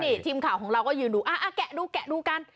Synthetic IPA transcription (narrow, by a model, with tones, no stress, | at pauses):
niː˧˩t̪ʰiː˧mkʰaː˨˩˦wkɔː˨˦ŋɾa˧wkɔː˥˩jɯː˨˩nduː˨˦ʔaː˧˩ʔaː˧˩kɛ˨˩duː˧kɛ˨˩ʔduː˧ka˧n